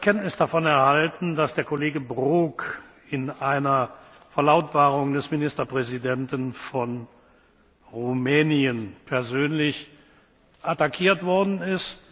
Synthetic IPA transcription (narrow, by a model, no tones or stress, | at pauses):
kʰɛntnɪsd̥afɔnɛɐhaltn̩dasd̥eːɐkoleːɡəbʁuːk | ɪnaɪnɐ | fɛɐlaʊtb̥aːʁʊŋdɛsmɪnɪstɐpʁ̥ɛzidɛntənfɔn | ʁumɛːniənpʰɛɐzøːnlɪç | ʔatakʰiːɐtv̥ɔɐdn̩ɪst